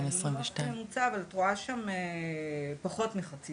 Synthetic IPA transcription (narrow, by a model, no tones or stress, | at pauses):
mesʁimveʃtajemut͡saːvaltʁoaʃame | paχo̞tmeχat͡si